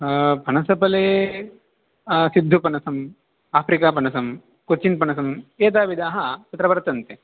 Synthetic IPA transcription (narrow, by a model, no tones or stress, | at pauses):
pɐnɐsɐpɐleː | sid̪ʱːupɐnɐsɐm | aːpʰɾikaːpɐnɐsɐm | kuɾt͡ʃinpɐnɐs̬ɐmeːt̪̬aːʋid̪aːɦɐt͡ʃɐt̪ɾɐʋɐɾɐt̪ɐnt̪e